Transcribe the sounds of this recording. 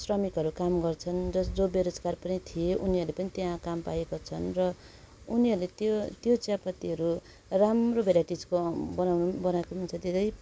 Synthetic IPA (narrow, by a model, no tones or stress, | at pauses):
srʌmikɦʌɾukamɡʌrt͡sʰʌnd͡zʌsd͡zobeɾod͡zkarpʌnit̪ʰijeʔuniɦʌrlepʌnit̪jãkampajekot͡sʰʌnrʌ | uniɦʌrlet̪ot̪jot͡sjapʌt̪iɦʌɾu | ramrobeɾaʈid͡zkobʌnawnubʌnaekomant͡sʰʌd̪id̪ʌj